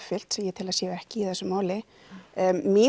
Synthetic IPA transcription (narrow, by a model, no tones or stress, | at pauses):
fɪl̥t̪sɛmjɛt̪ʰɪlaðsjɛːɣɛhcɪiθɛsːʏmaːwlɪ | mɪː